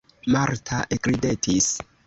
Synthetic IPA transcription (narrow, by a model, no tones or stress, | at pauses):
maɾtʰaʔekɾidetʰis